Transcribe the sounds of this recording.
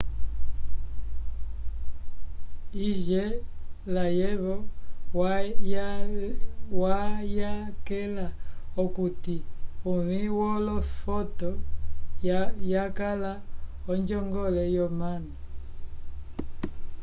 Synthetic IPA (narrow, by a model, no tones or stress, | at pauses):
iʒɛlajɛβɔ | wajakɛlaɔkutiuβiwɔlɔfɔtɔ | jakalaɔnd͡ʒɔŋɡɔlɛjɔmana